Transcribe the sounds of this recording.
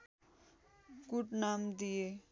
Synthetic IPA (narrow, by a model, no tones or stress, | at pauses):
kuʈnamd̪ije